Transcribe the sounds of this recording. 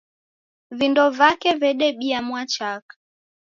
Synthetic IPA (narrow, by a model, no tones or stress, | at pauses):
vindɔvakɛvɛɗɛɓiamwat͡ʃakḁ